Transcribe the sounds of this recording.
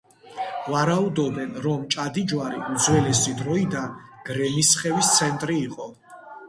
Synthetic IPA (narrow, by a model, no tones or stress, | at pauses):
vaɾaud̪ɔbɛnɾɔmt͡ʃʼad̪id͡ʒwaɾiud̪zwɛlɛsid̪ɾɔid̪anɡ̥ɾɛmisχɛvist̪sʰɛnt̪ʼɾiːqʼɔ